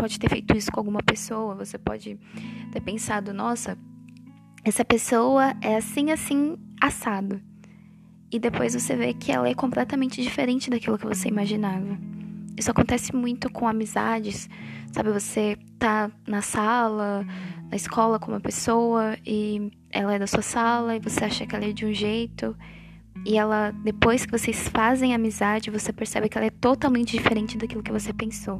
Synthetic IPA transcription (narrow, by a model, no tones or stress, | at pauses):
pɔd͡ʒɪt̪eɾfejt̪ʊisʊkõawɡũmɐpesowɐvosepɔ̰d͡ʒɪt̪eɾpẽsad̪ʊnɔsɐ | ɛsɐpesowɐɛasĩasĩasad̪ʊ | ɪd̪epojzvosevekʰɪɛ̰lɐɛkõmplɛt̪ɐmẽnt͡ʃɪd͡ʒifeɾẽnt͡ʃɪd̪akilʊkɪvoseimaʒinavɐisʊakõt̪ɛsɪmũj̃t̪ʊkʰõamiza̰d͡ʒɪsːa̰bɪvose | t̪anɐsalɐnɐɪskʰɔlɐkõṵ̃mɐpesowɐɪ | ɛ̰lɐɛd̪ɐsuɐsalɐɪvoseaʃɐkɪɛlɐɛd͡ʒɪũʒejt̪ʊ | ɪɛlɐd̪epojskɪvosesfazẽj̃amizad͡ʒɪvosepeɾsɛ̰bɪkɪɛlɐɛt̪ot̪awmẽnt͡ʃɪd͡ʒifeɾẽnt͡ʃɪd̪akilʊkɪvosepẽso